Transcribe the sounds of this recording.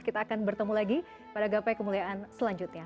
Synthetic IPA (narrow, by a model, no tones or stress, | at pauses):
kit̪aːkanbərt̪əmulaɡi | padaɡapajkəmuliaʔansəlaɲd͡ʒʊt̪̚ɲa